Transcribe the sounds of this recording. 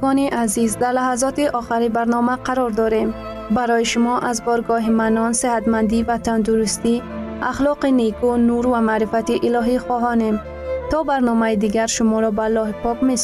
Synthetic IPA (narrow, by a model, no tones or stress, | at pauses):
ɔniʔazizd̪aɾlaɦazɔt̪iʔɔχiɾibaɾnɔmaqʰaɾɔɾd̪ɔɾem | baɾɔjiʃʊmɔʔazbɔɾɡɔɦimanɔnsehat̪mand̪ivat̪and̪uɾust̪i | a̰χlɔqinekʰunuɾvamaɾifat̪iʔilɔɦiχɔɦɔnem | t̪ɔbaɾnɔmaid̪iɡaɾʃʊmɔɾɔbalːɔɦipʰɔkmes